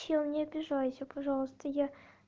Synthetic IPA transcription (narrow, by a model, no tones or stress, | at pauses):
ilˠnʲɪɐbʲɪʐajʊsʲʊpɐʐɑlˠəst̪əja